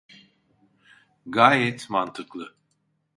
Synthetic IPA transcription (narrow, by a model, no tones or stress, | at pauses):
ɡaːjɛt̪mant̪ʰɯklˠɯ